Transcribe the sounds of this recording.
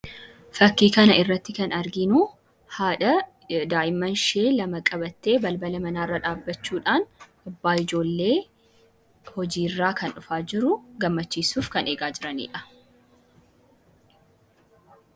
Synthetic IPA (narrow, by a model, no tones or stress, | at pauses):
fɐkːiːkɐnɐɪrːɐt̪ːɪkɐnɐɾɡɪnu | haːᶑɐ | d̪aːʔɪmːɐnʃe̞ːlɐmɐkʼɐbɐt̪ːe̞ːbɐlbɐlɐmɐnaːrːɐᶑaːbːɐt͡ʃːuːᶑaːn | ɐbːaːɪd͡ʒo̞ːlːe̞ː | hɔd͡ʒiːrːaːkɐnᶑʊfaːd͡ʒɪɾʊɡɐmːɐt͡ʃːiːsuːfkɐne̞ːɡaːd͡ʒɪɾɐnḭːᶑɐ̥